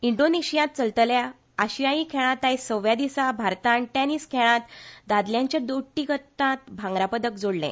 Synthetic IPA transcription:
iɳɖoneɕijãt̪̚t͡səlt̪əlja | aɕijajĩkʰɛɭ̃ãt̪ajsəʋjad̪isabʱaɾt̪ãɳʈɛniːskʰɛɭ̃ãt̪d̪ad̪ljãɲt͡ɕjad̪oʈːikət̪ːãt̪bʱãŋɡɾapəd̪əkd͡zoɽlḛ̃

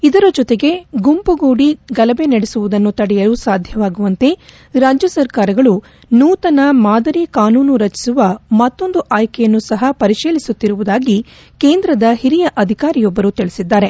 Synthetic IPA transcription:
id̪ɐɾɐd͡ʒɔt̪eɡe̞ɡumpuɡuːɽiɡɐlɐbe̞nɐɽesuʋud̪ɐnːut̪ɐɽɛjɐlusaːd̪ʱjɐʋaːɡuʋɐnt̪e̞ | ɾaːd͡ʒjɐsɐɾkaːɾɐɡɐɭu | nuːt̪ɐnɐmaːd̪ɐɾikaːnuːnuɾɐt͡ʃi̥suʋɐmɐt̪ːo̞nd̪uʔaːjkɛjɐnːusɐɦɐpɐɾiʃiːlisut̪ːiɾuʋud̪aːɡi | keːnd̪ɾɐd̪ɐhiɾijɐʔɐd̪ʱikaːɾijɔbːɐɾut̪iɭisid̪ːaːɾe̞

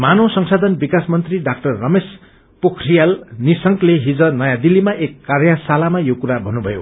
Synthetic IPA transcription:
manʌsʌŋsad̪ʱʌnbikasmʌnt̪riɖak̚ʈʌrːʌmes | pokʰrijalnisʌŋkleɦid͡zʌnʌjãd̪ilːimaʔekːarjasalamajokuɾabʱʌnːubʱʌjo̰

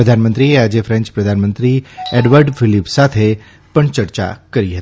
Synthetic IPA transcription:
ɾəd̪ʱaːnmə̃nt̪ɾieaːd͡ʒefʰɾɛ̃ɲt͡ʃpɾəd̪ʱaːnmə̃nt̪ɾieɖʋəɾɖfɪlipsat̪ʰe | pəɳt͡ʃəɾt͡ʃa̰kɐɾiɦɐt̪i

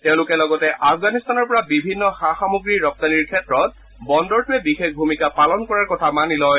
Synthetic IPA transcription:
tɛʊ̃lʊkɛlɔɡɔtɛʔafɡanist̪anɔɹpɔɹabibʱinːɔxaxamuɡɹiɹɔp̚t̪aniɹkʰɛtɹɔt̚ | bɔndɔɹtʰuɛbixexbʱumikapalɔnkɔɹaɹkɔtʰamanilɔj

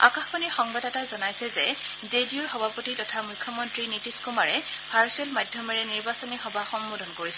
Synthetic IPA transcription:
a̰kaxbɔnixɔŋbadɛtazɔnajsɛzɛ | zediɔɹxɔbʱapotitɔtʰamujkʰːjɔmɔntɹinitiskumaɹɛ | pʰaɹsuɛlmajdʱjɔmɛɹɛniɹbasɔnixɔbʱaxɔmbodʱɔnkoɹisɛ

